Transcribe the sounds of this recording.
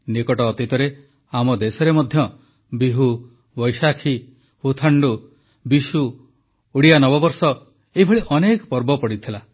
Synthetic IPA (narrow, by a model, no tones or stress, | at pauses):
nikɔʈɔːt̪it̪ɔɾe | amɔd̪esɔɾemɔd̪ʱjɔ | biɦu | bɔjsakʰi | hut̪ʰaɳɖu | bisuː | ɽijanɔbɔbɔɾsɔ | eibʱɔɭiʔɔnekɔpɔɾbɔpɔɽit̪ʰila